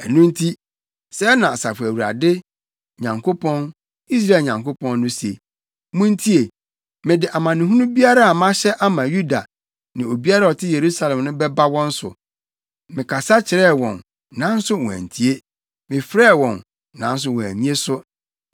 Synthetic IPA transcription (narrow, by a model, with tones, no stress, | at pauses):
æ˨nũ˦n̩˦tʰi˦ | sɛ˦nã˨a˨sa˨fʊ˨æ˨wu˨ɾa̰˨dɪ˦ | ɲã˨ŋkʰo˦pʰɔ̃˦n | i˦s̬ɾa˦˨ɲã˨ŋko˦pʰɔ̃˦nː˦ʊ̃˦se˨ | mũ˦n˦tʰi˦e˨ | mɪ̃˨dɪ˨ʔa˨mã˨nɪ̃˨ɦũ˦nũ˦bi˦a˦ɾa˦a˨mã˦ɕɛ˦ʔa˦mã˨ju˦da̰˨ | nã˨o˨bi˦a˦ɾa˦ɔ˨tʰɪ˦je˨ɾu˦sa˨lɛ̃˨mnʊ̃˦bɛ˦ba˦wɔ̃˦n̩˦sʊ̰˨ | mɪ̃˨kʰa˨sa˦t͡ɕʰɪ˨ɾɛ˦˨wɔ̰̃˨n | nã˨˦n̩˦sʊ˦wɔ̰̃˨æ̰˨n̩˨tʰi˦e˦ | mɪ̃˨fɾɛː˦˨wɔ̃˨nː | ã̰˨˦n̩˦s̬ʊ˦wɔ̃˨æ̰˨ɲĩ˦e˦sʊ˦